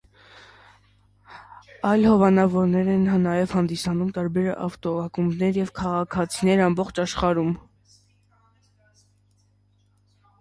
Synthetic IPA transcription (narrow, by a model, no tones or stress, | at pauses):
ɑjlhɔvɑnɑvɔɾnɛɾɛnnɑjɛvhɑnd̪isɑnumt̪ɑɾbɛɾɑ̰ft̪ɔɑkumnɛɾjɛvkʰɑʁɑkʰɑt͡sʰinɛɾɑmbɔχt͡ʃʰɑʃχɑɾum